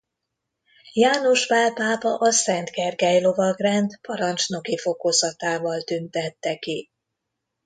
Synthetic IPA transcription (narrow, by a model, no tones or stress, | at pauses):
jaːno̞ʒvalpaːpɒʔɒsɛnt̪ɡɛrɡɛjlo̞vɒɡrɛnt̪pɒɾɒnt͡ʃno̞kifo̞kozɒt̪aːvɒlt̪ynt̪ɛt̪ːɛki